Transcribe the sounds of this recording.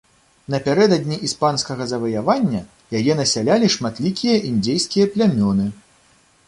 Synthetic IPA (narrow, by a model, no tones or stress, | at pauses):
n̪ɐpʲaɾɛd̪ɐd̪ʲnʲiʔispanskɐɣɐzɐvɐjavanʲːɐ | jajɛnɐsʲalʲalʲiʂmat̪lʲikʲijɐʔind̪ʲejskʲijɐplʲamʲɔnɨ